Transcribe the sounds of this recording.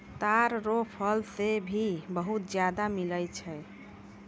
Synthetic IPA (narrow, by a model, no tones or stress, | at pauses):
t̪aɾɾopʰəlsebʱibəɦut̪̚d͡ʒjad̪amiləjt͡ʃʰɛ